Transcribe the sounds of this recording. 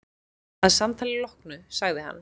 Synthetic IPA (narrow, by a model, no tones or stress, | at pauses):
aðsamt̪ʰaːlɪlɔhknʏsaɣðɪɦa̰nː